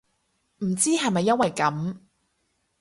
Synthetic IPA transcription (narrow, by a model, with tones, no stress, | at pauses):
m̩˨˩t͡siː˥ɦɐ˨jmɐ˨jːɐ˥nwɐ˨jkɐ˨˥m